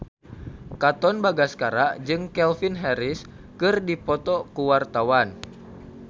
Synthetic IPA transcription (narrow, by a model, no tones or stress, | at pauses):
kat̪ɔnbaɡaskaɾad͡ʒɨŋkɛlfinɦɛɾis | kɨrdipɔt̪ɔkuwart̪awan